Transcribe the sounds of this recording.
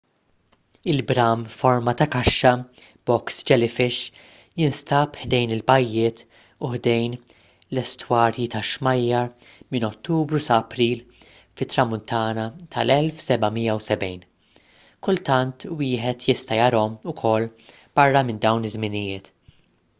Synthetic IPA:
ɪlbɾɐmfɔɾmɐt̪ɐkɐʃːɐ | b̥ɔksd͡ʒɛlɪfɪʃ | jɪnst̪ɐpħd̪ɛjnɪlbɐjːɪːt̪ | ʊħd̪ɛjn | lɛst̪wɐːɾjit̪ɐʃmɐjːɐɾmɪnɔt̪ːuːbɾusɐːpɾiːl | fɪt̪ːɾɐmʊnt̪ɐːnɐt̪ʰɐlɛlfsɛbɐmɪjːɐwsɛbɛjn | kʊlt̪ɐnt̪wɪːħɛt̪jɪst̪ɐjɐɾɔmʊkʰɔlː | b̥ɐrːɐmɪnd̪ɐwnɪzmɪnɪjɪːt̪

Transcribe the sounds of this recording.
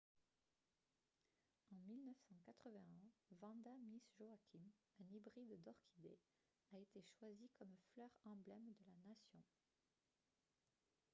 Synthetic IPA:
ɑ̃milnəfsɑ̃kat̪χəvɛ̃ɛ̃vɑ̃d̪amisʒoakʲʰim | ɛ̃nibʁid̪ːɔʁkʰʲid̪e | aet̪eʃwazikɔmflœʁɑ̃blɛmd̪əlanasjɔ̃

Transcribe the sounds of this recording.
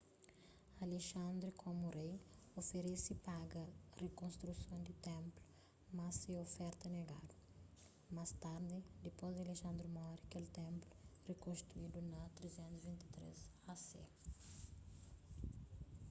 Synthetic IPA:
aleʃɐ̃nd̪ɾukʰomuɾejofeɾesipaɡɐrekõnst̪ɾusõnd̪ɪt̪ẽmplu̥ | mɐsɪofɛɾt̪ɐneɡa̰d̪u | mast̪aɾd̪ɪd̪epozd̪ɪaleʃɐ̃nd̪ɾumɔɾikelt̪ẽmplurekõnst̪ɾuid̪unɐt̪ɾezẽnt̪uzvĩnt̪i̥t̪ɾḛz | asḛ

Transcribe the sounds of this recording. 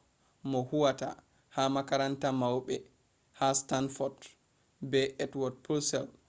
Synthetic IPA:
mɔhuwata̰ | hamakaɾantamawɓɛ | hastanfɔd | bɛɛtwɔd̚pʰulsɛl

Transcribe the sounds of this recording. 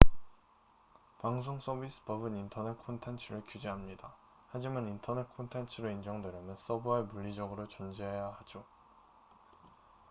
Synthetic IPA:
paŋs̬ʰoŋs͈ʰʌbisʰɯ̥pʌbɯnintʰʌne̞t̚kʰontʰent͡ɕʰɯɾɯɭkjud͡ʑiɦamɲida | had͡ʑimanintʰʌne̞t̚kʰontʰe̞nt͡ɕʰɯɾoind͡ʑʌŋdwe̞ɾjʌmjʌns͈ʌbuɦaɭmuʎːid͡ʑʌɡɯɾot͡ɕund͡ʑeɦejahad͡ʑo

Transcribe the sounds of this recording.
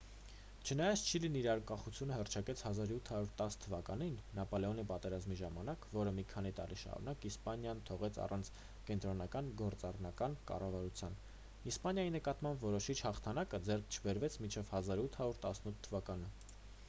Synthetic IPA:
t͡ʃʰənɑjɑt͡sʰt͡ʃʰiliniɾɑɾəŋkɑχut͡sʰjunəhərt͡ʃʰɑkɛt͡sʰhɑzɑɾut̪ʰːhɑɾuɾt̪ɑst̪ʰːəvɑkɑninːɑpɔlɛɔnipɑt̪ɛɾɑzmiʒɑmɑnɑkvɔɾəmikʰɑnit̪ɑ̰ɾiʃɑ̰ɾṵnɑkispɑnjɑnt̪ʰɔʁɛt͡sʰɑ̰rʔɑnt͡sʰ | kɛnt̪ɾɔnɑkɑnɡɔɾt͡sɑrnɑkɑnkɑ̰rɑvɑɾut͡sʰjɑn | ispɑnjɑjinəkɑt̪mɑmbvɔɾɔʃit͡ʃʰhɑχt̪ʰɑnɑkəd͡zɛrk̚ʰt͡ʃʰəbɛɾvɛt͡sʰmint͡ʃʰɛvhɑzɑɾut̪ʰhɑɾuɾt̪ɑsnut̪ʰːəvɑkɑnə

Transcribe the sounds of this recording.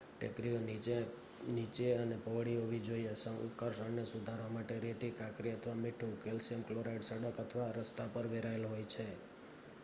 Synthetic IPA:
ʈekɾijone | nit͡ʃeənepəʋɽiɦoʋid͡ʒoiesə̃ŋṵkəɾʃəɳnesud̪ʱaɾʋamaʈeɾet̪ikakɾiət̪ʰʋamɪʈʰukelsemkloɾaiɖsəɽəkət̪ʰʋaɾəst̪apəɾʋeɾaelɦojt͡ʃʰe

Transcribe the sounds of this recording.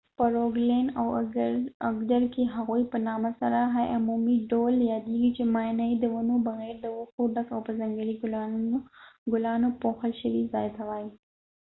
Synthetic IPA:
pəɾoɡlenaw | aɡd̪aɾkeɦaɣujpənɑmasaɾaɦaʔamumiɖoljɑd̪eɡit͡ʃemɑjnaid̪əwanobaɣɛɾd̪əwuxoɖakawpəzaŋɡəɽiɡʊl | ɡʊlɑnopoxalʃəwizɑjt̪awɑji

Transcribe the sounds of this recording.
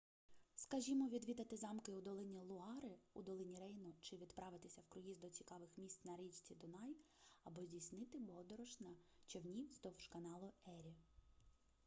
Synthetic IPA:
skɐʒʲimɔʋʲid̪ʋʲid̪ɐt̪ɪzɑmkɪʊd̪ɔlˠɪnʲilˠʊɑɾɪud̪ɔlˠɪnʲiɾɛjnɔt͡ʃɪʋʲid̪pɾɑʋɪt̪ɪsʲɐwkɾʊjizd̪ɔt͡sʲi̥kɑʋɪxmʲisʲt̪ʲnɐɾɛt͡ʃʲt͡sʲid̪ʊnɑj | ɐbɔzʲdʲijsʲnɪt̪ɪbɔd̪ɔɾɔʃnɐt͡ʃewnʲiwzd̪ɔwʃkɐnɑlˠʊɛɾʲi

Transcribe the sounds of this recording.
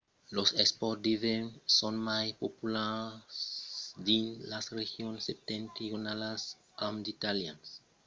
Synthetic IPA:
losɛspɔtdivẽnsõnmajpopulasdĩnlasrexjõnsep̚t̪ẽnt̪ionalas | ãmd̪it̪aljãns

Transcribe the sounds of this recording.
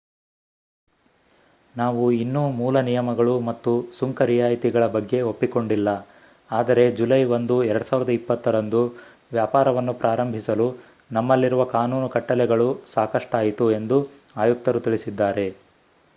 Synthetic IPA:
naːʋuinːuːmuːlɐnijɐmɐɡɐɭumɐt̪ːusuŋkɐɾijaːjt̪iɡɐɭɐbɐɡːe̞o̞pːiko̞ɳɖilːɐ | aːd̪ɐɾe̞d͡ʒulɐjʋond̪uɛɾɐɽusaːʋiɾɐd̪ɐipːɐt̪ːɐɾɐnd̪u | ʋjaːpaːɾɐʋɐnːupɾʔaːɾɐmbʱisɐlu | nɐmːɐlːiɾuʋɐkaːnuːnukɐʈːɐlɛɡɐɭusaːkɐʂʈaːjit̪ue̞nd̪u | aːjuk̚t̪ɐɾut̪iɭisid̪ːaːɾe̞

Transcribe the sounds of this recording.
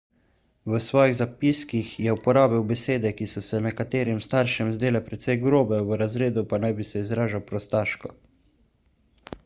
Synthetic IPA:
ʋəsʋɔːjiɣzapiskixjɛupɔɾaːbiwbɛseːd̪ɛkisɔsɛnɛkat̪eːɾimst̪aːɾʃɛmzd̪eːlɛpɾɛt̪sɛjɡɾoːbɛʋəɾazɾeːd̪upanajbisɛizɾaːʒawpɾɔst̪aːʃkɔ

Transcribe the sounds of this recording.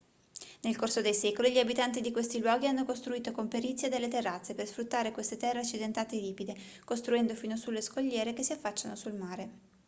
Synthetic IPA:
nelkorsod̪ejsɛːkoliʎiabit̪ant̪id̪ikwest̪ilwɔːɡianːokost̪ɾuiːt̪okompeɾit̪sːjed̪elːet̪erːat̪sːepersfɾut̪ːaːɾekwest̪et̪ɛrːeat͡ʃːid̪ent̪aːt̪eliːpid̪e | kost̪ɾuɛnd̪ofiːnosulːeskoʎːɛːɾekesːiafːat͡ʃːanosulmaːɾe

